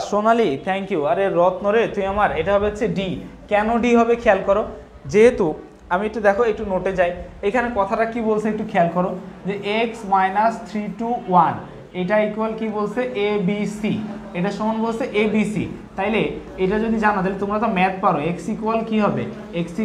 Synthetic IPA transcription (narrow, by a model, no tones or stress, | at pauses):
ʃonalit̪ʰɛŋkiuaɾeɾɔt̪noɾet̪umiamaɾejʈaɦɔbeaːɕʰeɖikɛnoɖiɦɔbekʰɛalkɔɾo | d͡ʑeɦet̪u | amiek̚ʈud̪ɛkʰoek̚ʈunoʈed͡ʑajekʰanekɔt̪ʰaʈakibolsʰeek̚ʈukʰɛalkɔɾod͡ʑeʔeksmajnast̪ʰɾiʈuwan | ejʈaekualkibolsʰeʔebisieʈaʃɔmanbolsʰeʔebisḭt̪aɦile | ejʈad͡ʑod̪id͡ʑanat̪aɦilet̪omɾat̪ɔmɛt̪̚paɾoeksikalkiɦɔbḛ | eksi